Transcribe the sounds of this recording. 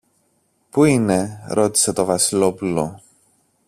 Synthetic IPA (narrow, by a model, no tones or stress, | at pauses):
puine̞ɾo̞t̪i̥se̞t̪o̞vɐsilo̞pulo̞